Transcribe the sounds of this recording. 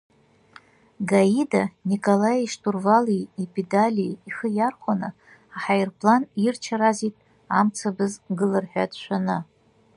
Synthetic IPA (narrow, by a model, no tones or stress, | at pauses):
ɡaidanikʼolajiʂtʰʼurvaliipʰʼedalʲiːχəjarχʷanɨ | aħajrpʰʼlanirt͡ʃʰaɾazitʼ | amt͡sʰabɨzɡɨlɨrħʷᶣa̰dʰʼʃʷʰanɨ